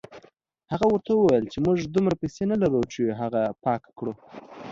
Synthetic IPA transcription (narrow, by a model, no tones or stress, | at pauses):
haɣawəɾt̪ʰawəwajəlt͡ʃemuʐd̪umɾapajsenalaɾuwt͡ʃeɦaɣapɑkkɽu